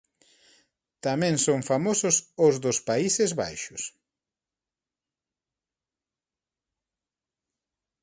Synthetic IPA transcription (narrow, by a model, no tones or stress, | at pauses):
t̪amɛ̃ŋsoŋfamosʊsʊzðʊspaisezβa̰jʃʊs